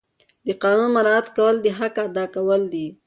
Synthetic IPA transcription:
d̪əqɑnunmaɾɑat̪kawəld̪iɦakaːd̪ɑkawəld̪i

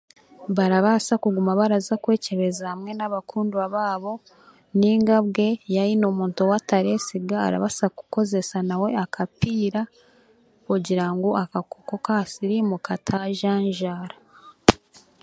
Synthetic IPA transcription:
βaɾaβasakuɡumaβaɾazakwe̞ːce̞βe̞zahamŋe̞naβakʰuːnduaβaːβo̞ | niːŋɡabɡe̞jaɾinomuːntowataɾe̞siɡa̰ːɾa̰βasakuko̞ze̞sanawe̞akʰapiːɾa | kuɟiɾaŋɡoakakokokasiɾimukʰatʰaʒaɲʒaːɾa

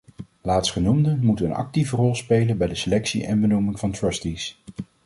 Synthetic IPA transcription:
laːtstχənumdəmutənɑ̰k̚tivərɔlˠspejlənbɛjdəselɛksḭʔɛnbənumɪŋvɑntɹəstis

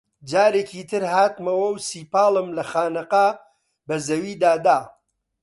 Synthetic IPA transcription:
d͡ʒaːɾeːkiːt̪ʰɨɾhaːt̪mɐwɐwsiːpaːlˠɨmlɐxaːnɨqa | bɐzɐwiːd̪aːd̪aː

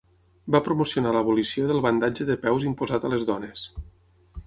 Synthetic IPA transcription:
bapɾumusiunaləβulisioðəlˠβənd̪ad͡ʒəðəpɛwzimpuzat̪ələzðɔnes

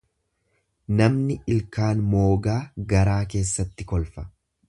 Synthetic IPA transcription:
nɐmnɪʔɪlkaːnmo̞ːɡaːɡɐɾaːke̞ːsːɐt̪ːɪkɔlfɐ̥

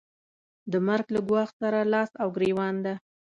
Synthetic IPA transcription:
d̪əmaɾɡlaɡwɑxsaɾalɑsawɡɾewɑnd̪a

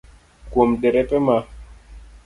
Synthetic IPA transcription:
kwom̩ɗɛɾɛpɛma

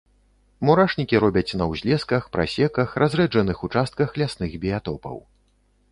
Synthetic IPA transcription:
muɾaʂnʲikʲiɾɔbʲɐt͡sʲnɐwzʲlʲɛskɐxpɾʔa̰sʲɛkɐxɾʔazɾɛd͡ʐɐnɨxut͡ʂast̪̚kɐxlʲasnɨɣbʲijat̪ɔpɐ̰w

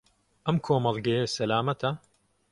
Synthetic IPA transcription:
ʔɐmkʰoːmɐlˠɡɐjesɐlaːmɐt̪ʰɐ

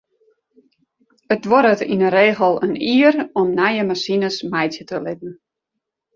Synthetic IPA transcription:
ətʋɔɾətinəɾeːxəl̩ˠəniəɾɔmnajəmasinəsmajtjətəlɪtn̩

